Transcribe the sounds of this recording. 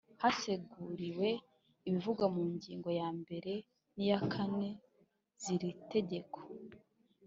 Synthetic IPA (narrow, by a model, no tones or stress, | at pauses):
hase̞ɡuɾiwe̞ | iβivuɡwamuːɲɟiːŋɡo̞jaːmbe̞ɾe̞ | nijakʰane̞ | z̥iɾite̞ɟe̞kʰo̥